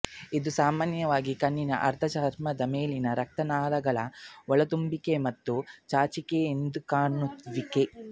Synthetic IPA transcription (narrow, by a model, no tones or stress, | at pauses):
id̪usaːmaːnjɐʋaːɡikɐnːinɐ̰ʔɐ̰ɾt̪ʰɐt͡ʃaːɾmɐd̪ɐmeːlinɐɾɐk̚t̪ɐnaːlɐɡɐɭɐ̰ɔɭɐt̪umbikemɐt̪ːut͡ʃaːt͡ʃikeːnd̪ukaːɳut̪ʋike